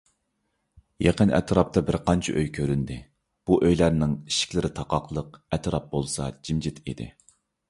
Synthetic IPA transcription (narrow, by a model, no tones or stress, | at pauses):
jeqənɛ̰t̪ʰɾɑp̚t̪ʰɑbɪɾqʰɑnt͡ʃʰiʔøjkʲʰøɾynd̪ɪ | b̥uʔøjlæɾnɪŋiʃi̥kʲlɪɾɪt̪ʰɑqɑqlˠəqɛt̪ʰɾɑp̚bolˠsɑd͡ʒimd͡ʒɪt̪ʰḭd̪ɪ̰